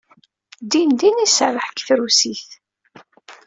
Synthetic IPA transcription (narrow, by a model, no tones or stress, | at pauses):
d̪ind̪inisəɾəħkθɾusiθ